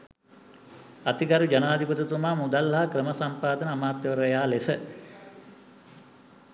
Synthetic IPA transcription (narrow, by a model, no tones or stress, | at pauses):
at̪iɡaɾud͡ʒanaːd̪iput̪ut̪umaːmud̪alːɐɦakɾəməsampaːd̪ənəːmaːt̪jəʋəɾəjaːlesə